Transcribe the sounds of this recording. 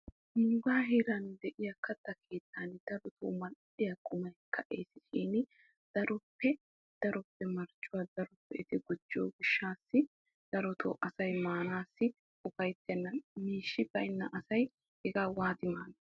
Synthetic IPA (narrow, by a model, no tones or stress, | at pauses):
huːɡaːɦiɾɐnd̪ɛʔɪjɐkɐt̪ːɐkʰe̞ːt̪ʰːand̪̥ɐɾɔt̪ʰo̰ːmɐlʔɪjɐkʼʊmɐjkʰːɐʔeːsɪ̥ʃiːnɪ | d̪̥ɐɾɔpːɛ | d̪̥ɐɾɔpːɛmɐɾt͡ʃʼːʊwad̪ɐɾɔpːɛɪt̪ɪɡʊd͡ʒːo̰ːɡʊʃːaːsːɪ | d̪̥ɐɾɔt̪o̰ːʔɐsɐjmaːnaːsːɪ | ʊfɐjt̪ːɛnːɐnmiːʃːɪbɐjnːɐʔɐsɐj | hɛɡaːwaːt̪ɪmaːnɐ